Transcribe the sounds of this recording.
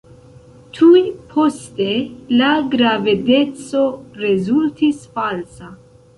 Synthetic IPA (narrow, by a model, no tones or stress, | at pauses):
tʰujpʰo̞ste̞laɡɾavede̞t͡so̞ɾe̞zultʰisfalsa